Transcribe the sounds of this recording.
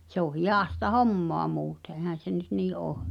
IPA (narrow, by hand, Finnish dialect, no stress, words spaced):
se o hijɑˑstɑ homːoɑ muːte ehæn̞ se nyt niː ʔoː